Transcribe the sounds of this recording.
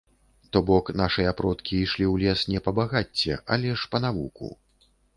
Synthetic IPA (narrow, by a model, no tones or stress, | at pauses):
t̪ɔbɔkn̪aʂɨjɐapɾɔt̪kʲiiʂlʲiwlʲɛsnʲɛpɐbaɣat͡sʲːɛ̰ʔalʲɛʂpɐn̪avukṵ